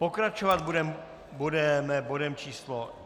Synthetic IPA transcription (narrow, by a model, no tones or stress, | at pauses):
pokɾat͡ʃovad̪̚budɛm | budɛmɛbodɛmt͡ʃiːslo